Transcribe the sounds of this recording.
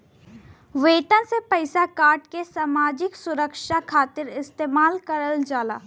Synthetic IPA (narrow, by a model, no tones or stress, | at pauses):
ʋeːʈənsepəɪsakaːɾʈkesaːmaːd͡ʒɪksʊɾəkʃakʰaːt̪ɪɾɪst̪eːmaːlkəɾəld͡ʒaːla̰ː